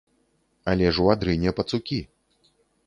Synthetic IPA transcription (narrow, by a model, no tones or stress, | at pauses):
alʲɛʐuad̪ɾɨnʲɛpɐt̪sukʲi